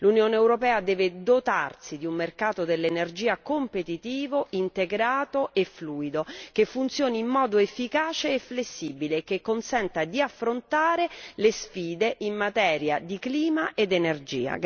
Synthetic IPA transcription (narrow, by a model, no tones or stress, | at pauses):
lunjoːneːwɾopɛːad̪ɛːved̪ot̪arsid̪iumːerkaːt̪od̪elːenerd͡ʒiːakompet̪it̪iːvoint̪eɡɾaːt̪oefluːid̪okefːunt̪sjoːniimːɔːd̪oefːikaːt͡ʃeːflesːiːbilekekːonsɛnt̪ad̪iafːɾont̪aːɾelesfiːd̪eʔimːat̪ɛːɾja̰d̪ikliːmaʔed̪enerd͡ʒḭːa̰